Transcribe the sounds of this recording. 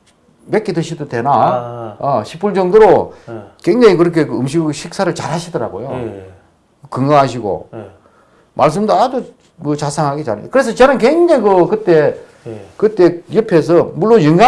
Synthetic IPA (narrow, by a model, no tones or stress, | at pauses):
mek͈idɯɕʰidode̞naʌɕʰipʰuɭd͡ʑʌŋdoɾokeŋd͡ʑeŋikɯɾʌkʰe̞kɯɯmɕ̬ʰiɡɕʰik̚s͈ʰaɾɯɭt͡ɕaɾɦaɕʰidʌɾa̰ɡojo | kɯŋɡaɦaɕʰiɡo̰ | mʔaɭs̬͈ɯmdado | mɯt͡ɕasʰaŋɦaɡet͡ɕa̰kɯɾe̞s̬ʰʌt͡ɕʌnɯnkeŋdeŋikɯkɯt͈e̞ | kɯt͈e̞jɯpʰes̬ʰʌmuɭːonjɯŋɡa